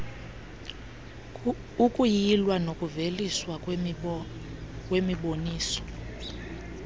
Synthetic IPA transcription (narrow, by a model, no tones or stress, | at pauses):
ukʼujilwanokʼuveliswa | kʼwemiɓoniːsɔ̥